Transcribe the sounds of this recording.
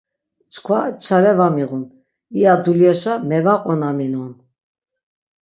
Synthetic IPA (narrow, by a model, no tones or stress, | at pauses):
t͡ʃʰkʰvat͡ʃʰaɾɛvamiɣun | iad̪uljɛʃamɛvaqʼɔnaminɔn